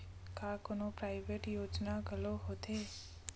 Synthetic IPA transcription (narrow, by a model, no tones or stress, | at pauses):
kakonopɾajʋeʈjoːd͡ʒnaɡʱəloɦot̪e